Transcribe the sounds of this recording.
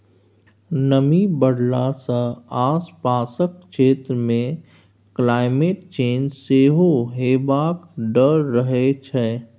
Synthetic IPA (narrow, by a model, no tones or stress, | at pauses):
nəmibəɽlasəaːspaːsək̚ʃeːt̪ɾəmẽ | klaːɪmeːʈ̚t͡ʃeːnd͡ʒseːɦoɦeːbaːkɖəɾːəɦet͡ʃʰɛː